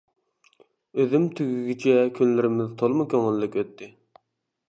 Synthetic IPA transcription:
øðymt̪ʰyɡʲyɡʲit͡ʃʰɛkʲʰynlɪɾɪmɪzt̪ʰolˠmɨkʲʰøŋɪlːɪkʲøt̪ʰːɪ

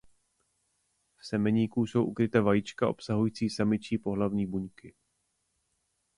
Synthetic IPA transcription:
fsɛmɛɲiːkuso̞wʔukɾɪt̪ɛːvajit͡ʃkaʔo̞̰psaɦujiːt͡siːsamɪt͡ʃiːpo̞ɦlavɲiːbuɲkɪ

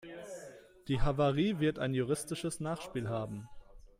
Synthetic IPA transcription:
d̥iːɦavaʁiːvɪɐtaɪnjuʁ̞ɪstɪʃəsnaːχʃpiːlɦaːbm̩

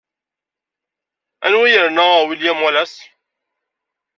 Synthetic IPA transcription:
a̰nwijəɾnaawiljamalas

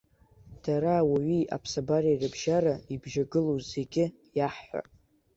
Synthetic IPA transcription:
d̥aɾawaɥia̰pʰsabarairɨbʒaraibʒaɡɨloze̞ɡʲɪ | jaħːʷa̰

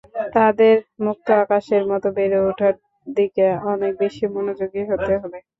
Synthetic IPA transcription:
t̪ad̪eɾmuk̚t̪oakaʃeɾmɔt̪obeɾeoʈʰaɾ | d̪ikeɔnek̚beʃimonod͡ʑoɡiɦot̪eɦobe

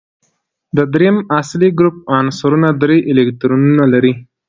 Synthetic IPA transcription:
d̪əd̪ɾejəmasliɡɾup̚ɑnsaɾunad̪ɾeʔɪlek̚t̪ɾonunalaɾi

